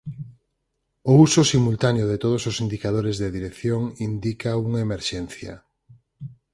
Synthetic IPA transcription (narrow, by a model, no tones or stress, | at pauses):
ousosimult̪aneoðet̪oð̞ososind̪ikaðoɾezðeðiɾekθjoŋind̪ikauŋaemeɾʃɛn̟θja̰